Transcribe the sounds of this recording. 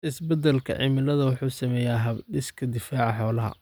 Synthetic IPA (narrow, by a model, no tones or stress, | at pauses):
ʔɪsbɐd̪ɛlkʰɐ̰ʕɪ̰mɪlɐðɐwʊħuːsɐmɛːjaːɦɐbɖɪskʰɐd̪ɪfaːʕɑħɔːlɐɦɐ̰